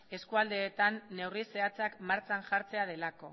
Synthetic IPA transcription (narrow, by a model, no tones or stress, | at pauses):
e̞skuald̪e̞ːt̪anːe̞wrise̞at͡sakmaɾt͡sanʝaɾt͡se̞að̞e̞lako̞̰